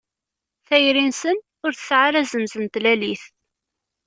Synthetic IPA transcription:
θæjɾinsən | ʊɾθəsʕaɾæzənzənt̪læliθ

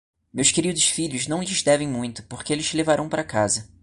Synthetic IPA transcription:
mewskeɾid̪ʊsfiʎʊznɐ̃w̃ʎɪzd̪ɛvẽj̃mũj̃t̪ʊ̥poɾkeelɪʃlevaɾɐ̃w̃paɾɐkazɐ

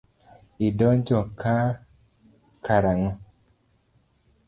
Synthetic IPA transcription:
idɔɲd͡ʒɔkʰa | kʰaɾaŋɔ

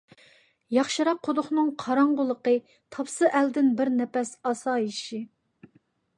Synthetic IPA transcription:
jɑχʃɨɾɑq̚ʰːod̪ʊχnɨŋqʰɑɾɑɴʁʊlˠəqə | t̪ʰɑpsɨʔæld̪ɪnbɪɾnɛpɛsɑsɑːiʃi

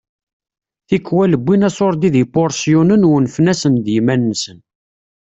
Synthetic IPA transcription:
θikːwæləbːinæsoɾˤd̪iðipoɾˤsjunənwnfnæsənd̪jmænːsən

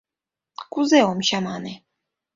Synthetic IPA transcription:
kuzɛɔmɕamanɛ

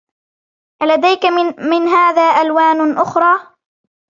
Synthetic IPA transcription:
ʔalad̪ajkamɪnɦaːðaːʔalwaːnʔʊxɾˤɑː

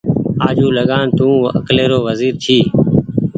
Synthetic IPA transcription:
aːd͡ʒuːləɠaːnt̪ũːə̰kleːɾoːʋəziːɾt̪ʰiː

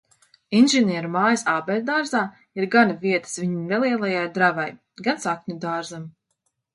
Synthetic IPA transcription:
inʒenʲiːɾumaːjasaːbɛlʲd̪aːɾzaː | iɾɡanavʲiɛt̪ə̥sviɲimnelˠiɛlˠajajd̪ɾavaj | ɡansakɲʲud̪aːɾzam

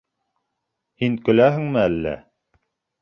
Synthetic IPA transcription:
hiŋkɵ̆læɦɘ̆ŋmɘælːæ̰

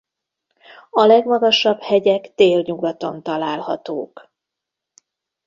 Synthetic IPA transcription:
ɒlɛɡmɒɡɒʃɒbhɛɟɛkt̪eːlɲuɡɒt̪o̞nt̪ɒlaːlhɒ̰t̪oːk

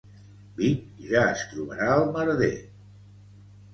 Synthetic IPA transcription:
bik̚ | ʒaəst̪ɾuβəɾaəlˠməɾəðḛ

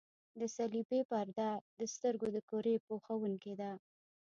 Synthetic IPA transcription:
d̪əsalibepaɾd̪ad̪əst̪əɾɡod̪əkoɾepoxawuŋked̪a

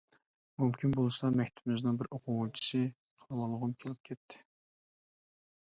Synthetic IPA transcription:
mumkʲʰinbolˠɨsɑmɛkʲt̪ʰɪ̥bɪmɪznɨŋbɪɾoqʰʊwt͡ʃʰi̥sɨ | qʰɑɾwɑlˠəʁʊmkʲʰelɪp̚kʲʰɛt̪ʰːɪ̥

